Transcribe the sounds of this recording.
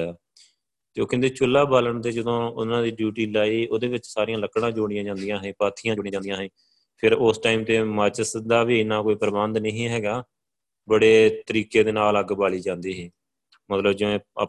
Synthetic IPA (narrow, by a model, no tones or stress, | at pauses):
aː | t̪eoːkɪnd̪eːt͡ʃʊlːaːbaːləɳt̪eːd͡ʒəd̪õːʊ̰nãːd̪iːɖjuːʈiːlaːiːoːd̪eːʋɪt͡ʃsaːɾijãːləkːɽãːd͡ʒoːɽ̃ɪ̃ãːd͡ʒãːnd̪ɪjãːɦẽːpaːt̪ʰiːjãːoɽĩãːnd̪jãːɦẽː | pʰɪɾoːsʈaːiːmt̪eːmət͡ʃsd̪aːʋiːnːãːkoːiːpɾəbənd̪nẽːɦĩːɦɛːɡaː | bəɽeːt̪əɾiːkeːd̪eːnaːləɡbaːliːd͡ʒãːnd̪iːɦɛː | mət̪ləbd͡ʒɪʋḛ̃ː